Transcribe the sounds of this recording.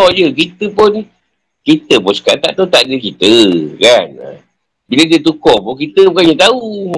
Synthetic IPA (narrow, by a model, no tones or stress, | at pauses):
jɨk̬it̪ɨponĩ | kit̪ɨpot͡ʃi̥kaʔt̪aʔt̪ot̪aʔdikit̪ɨɡanã̰ | biɾedet̪ukopokit̪ɨpkaɲũt̪au